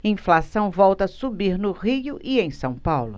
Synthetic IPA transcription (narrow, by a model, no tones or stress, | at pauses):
ĩflasɐ̃w̃vɔwt̪ɐsubiɾnʊʁiʊʔiẽj̃sɐ̃w̃pawlʊ